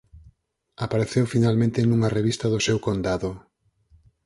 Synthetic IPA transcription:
apaɾeθewfinalmẽnt̪enuŋɐreβ̞ist̪ɐðʊsewkond̪aðʊ

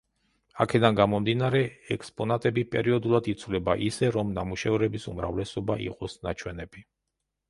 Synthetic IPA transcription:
a̰kʰɛd̪anɡamɔmd̪inaɾɛɛkʼspʼɔnat̪ʼɛbipʼɛɾiɔd̪ulˠad̪it̪sʰvlɛbaʔisɛɾɔmnamuʃɛvɾɛbisumɾa̰vlɛsɔbaʔḭqʼɔsnat͡ʃʰwɛnɛbi

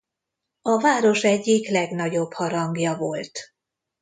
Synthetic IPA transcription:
ɒvaːɾo̞ʃɛɟːiklɛɡnɒɟo̞bhɒɾɒŋɡjɒvo̞lt̪

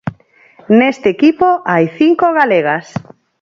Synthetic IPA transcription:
nest̪eːkipoajθiŋkoɣaleɣ̞as

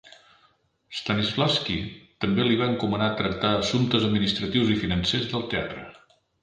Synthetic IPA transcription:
st̪anizflaskit̪əmbeliβ̞aəŋkumənat̪ɾək̚t̪aəsunt̪əzəd̪minist̪ɾət̪iwzifinənsezðəlˠt̪ea̰t̪ɾə

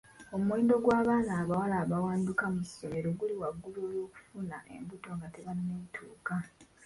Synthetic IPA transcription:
o̞muwe̞ːndo̞ɡwaːβaːnaːβawalaːβawaːndukamusːo̞me̞ɾo̞ɡuliwaɡːuloːjo̞ːku̥funaʔe̞̰mbuto̞ŋɡateβanːeːtʰuːka

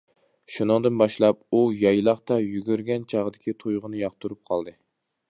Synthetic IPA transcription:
ʃunɨŋd̪ɨnbɑʃlˠɑp̚ujɑjlˠɑχt̪ɑjyɡʲyɾɡʲɛnt͡ʃʰɑʁəd̪ɪkʲit̪ʰujʁənɨjɑq̚t̪uɾup̚qʰɑlˠd̪ɨ

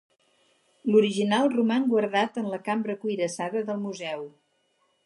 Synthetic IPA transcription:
luɾiʒinalˠrumaŋɡwəɾðat̪ənləkambɾəkujɾəsaðəðəlˠmuzɛw

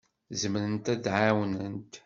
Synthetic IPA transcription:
zəmɾənt̪æd̪ʕawnənt̪

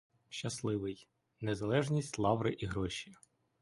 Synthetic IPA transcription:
ʃt͡ʃɐslˠɪʋɪj | nezɐlˠɛʒnʲisʲtʲlˠɑʋɾɪʔiɦɾɔʃʲi

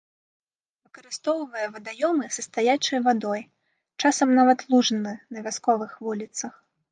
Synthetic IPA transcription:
vɨkɐɾɨst̪ɔwvɐjɛvɐd̪ajɔmɨsɐst̪ajat͡ʂɐjvad̪ɔj | t͡ʂasɐmnavɐt̪lˠuʐnɨnɐvʲaskɔvɨxvulʲit̪sɐx

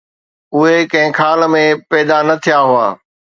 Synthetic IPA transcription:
ʊɦekɐ̃ɦɪ̃kʰaːlə̆mẽpɛːd̪anɐt̪ʰijaɦʊa̰ː

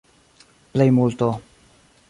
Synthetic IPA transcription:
plejmult̪o

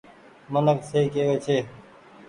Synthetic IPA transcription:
mənəkseiːkeːʋeːt͡ʃʰeː

